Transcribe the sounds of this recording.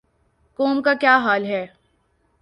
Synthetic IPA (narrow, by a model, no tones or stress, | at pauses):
koːmkakjaːɦaːlɦɛː